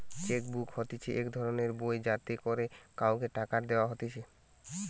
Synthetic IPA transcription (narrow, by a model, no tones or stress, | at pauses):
t͡ɕek̚bukhot̪it͡ʃʰeʔekd̪ʱɔɾoneɾbojd͡ʑat̪ikoɾekawkeʈakaɾd̪eoaɦot̪it͡ɕʰe